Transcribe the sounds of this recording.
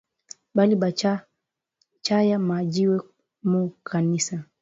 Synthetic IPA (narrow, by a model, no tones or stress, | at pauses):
baliɓa | t͡ʃajamad͡ʒiwɛ | mukʰanisa